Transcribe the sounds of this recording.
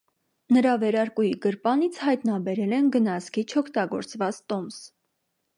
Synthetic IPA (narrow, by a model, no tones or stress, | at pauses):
nəɾɑvɛɾɑɾkujiɡəɾpɑnit͡sʰhɑjt̪nɑbɛɾɛlɛnɡənɑskit͡ʃʰɔkʰt̪ɑɡɔ̰ɾt͡svɑt͡st̪ɔms